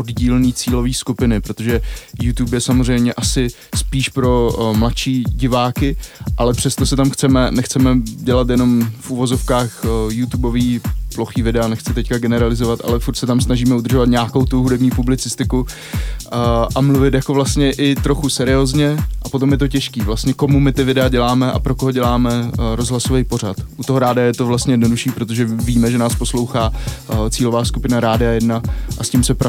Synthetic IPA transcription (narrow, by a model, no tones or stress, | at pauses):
ʔodɟiːlniːt͡siːlo̞viːskupɪnɪpɾo̞t̪oʒɛjut̪uːpjɛsamozrɛjmɲɛʔasɪ | spiːʃpɾo̞mlatʃiːɟɪvaːkɪʔalɛpr̝̥ɛst̪osɛt̪amxt͡sɛmɛnɛxt͡sɛmɛɟɛlat̪jɛno̞mfʔuvo̞zo̞fkaːxjut̪ubo̞viːploxiːvɪdɛanɛxt͡sɪt̪ɛckaɡɛnɛɾalɪzovat̪ʔa̰lɛfuɾt̪sɛt̪amsnaʒiːmɛud̪r̩ʒovat̪ɲaːkowt̪uɦudɛbɲiːpublɪt͡sɪst̪ɪku | ʔamluvɪt̪jako̞vlast̪ɲɛʔɪt̪ɾo̞xusɛɾɪoːzɲɛʔapo̞t̪o̞mjɛt̪o̞cɛʃkiːvlast̪ɲɛko̞mumɪt̪ɪvɪdɛaɟɛlaːmɛʔa̰pɾo̞koɦoɟɛlaːmɛɾo̞zɦlasovejpo̞ɾat̪ʔut̪oɦo̞ɾaːdɪajɛt̪o̞vlast̪ɲɛjɛdno̞duʃiːpɾo̞t̪̬oʒɛviːmɛʒɛnaːspo̞slo̞wxaːt͡siːlovaːskupɪnaɾaːdɪajɛdnaʔasciːmsɛpɾ